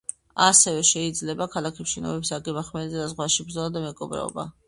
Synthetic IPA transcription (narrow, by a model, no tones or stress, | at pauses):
asɛvɛʃɛid̪zlɛbakʰalakʰɛpʃinɔ̰bɛpsaɡɛbaχmɛzɛd̪azʁwaʃibɾd̪zɔlˠad̪amɛɡɔbɾɛ̰ɔ̰ba̰